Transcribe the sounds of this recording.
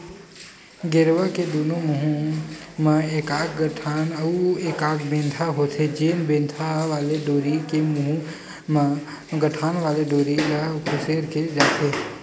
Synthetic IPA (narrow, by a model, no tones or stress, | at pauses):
ɡeɾʋaked̪oːnõmʊɦũmãeːkaːkɡəʈʰaːnəueːkaːkbẽːnt̪ʰaɦoːt̪ʰed͡ʒeːmbẽːnt̪ʰaʋaːleɖoːɾikemʊɦũ | m | ɡəʈʰaːnʋaːleɖ̪oːɾilakʰʊseːɾked͡ʒaːt̪ʰeː